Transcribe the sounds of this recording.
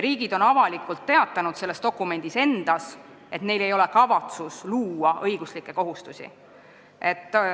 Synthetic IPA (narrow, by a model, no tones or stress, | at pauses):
ɾiːɡid̪̥o̞nɑvɑlikːˑult̪ːe̞ɑt̪ːˑɑnud̪se̞lːe̞st̪o̞kːˑume̞nd̪̥ise̞nd̪̥ɑs | e̞t̪ne̞jle̞jo̞le̞kɑvɑt̪susluːɑʔɤjɡuslikːˑe̞ko̞ɦust̪usḭ | e̞t̪ːˑ